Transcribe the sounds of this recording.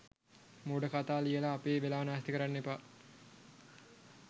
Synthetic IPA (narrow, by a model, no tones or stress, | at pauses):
muːɖəkat̪aːlijəlaːpeːʋelaːʋnaːst̪ikəɾanːepa